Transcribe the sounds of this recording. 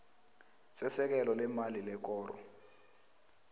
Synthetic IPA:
sɛsɛk̬ɛlɔlɛmalilɛk̬ʼɔːrɔ̰

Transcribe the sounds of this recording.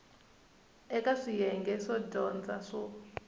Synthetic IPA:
ɛkaʂijɛŋɡɛʂɔdɔnd͡zaʂɔ

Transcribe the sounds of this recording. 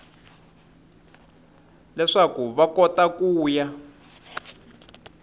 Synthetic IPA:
lɛʂakuβakɔtakuːja

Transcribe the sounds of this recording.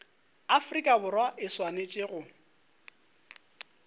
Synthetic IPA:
afrikʼabʊrwaʔɪswanet͡ʃʼɪɣʊ

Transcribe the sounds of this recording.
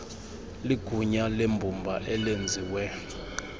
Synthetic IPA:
liɡ̥ʱuɲalembʱumbʱaʔɛlend͡zʱiːwɛ

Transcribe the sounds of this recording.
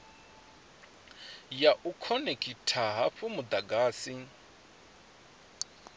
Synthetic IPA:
jaʔukʰɔnekʼitʰaɦaɸumud̪aɡaːsi

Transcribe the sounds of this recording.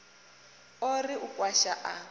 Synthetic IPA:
oriukʼwaʃaʔa

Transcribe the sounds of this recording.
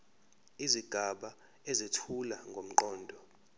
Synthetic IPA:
iziɡ̥ʱaɓa | ezitʰulaŋɡʱom̩ǃɔːndʱɔ

